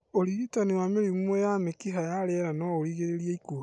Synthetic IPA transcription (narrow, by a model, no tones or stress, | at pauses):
oɾiɣitanewameɾimumojamekiɦajaɾeɛɾanɔoɾiɣeɾeɾiaiku